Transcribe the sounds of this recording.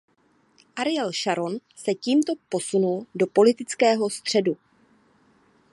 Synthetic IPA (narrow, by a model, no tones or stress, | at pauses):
ʔaɾɪɛlʃaɾo̞nsɛciːmt̪o̞po̞sunuldo̞po̞lɪt̪ɪt͡skɛːɦo̞st̪r̝̥ɛdu